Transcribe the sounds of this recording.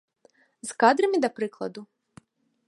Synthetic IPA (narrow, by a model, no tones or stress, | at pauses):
zkad̪ɾɐmʲid̪ɐpɾɨklˠɐ̰d̪u